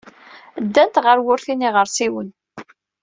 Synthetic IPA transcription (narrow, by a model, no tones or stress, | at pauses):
d̪ːænt̪ʁəɾwʊɾθiniʁəɾsiwən